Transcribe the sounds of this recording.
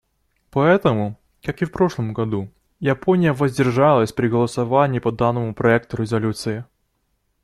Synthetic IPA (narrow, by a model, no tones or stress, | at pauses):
pɐɛt̪əmʊ | kakɨfpɾo̞ʂlˠəmɡɐd̪u | japonʲɪjəvəzʲdʲɪrʐalˠəsʲpɾʲɪɡəlˠəsɐvanʲɪːpɐd̪anːəmʊpɾɐɛk̚t̪ʊɾʲɪzɐlʲut̪sɨɪ